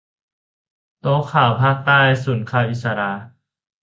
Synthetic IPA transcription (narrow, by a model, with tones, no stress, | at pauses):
t̪oː˧˦kʰaː˨˩wpʰaː˥˩k̚t̪aː˥˩jsuː˩˦nkʰaː˧˩wʔi˨˩t̪̚sa˧ɾa˧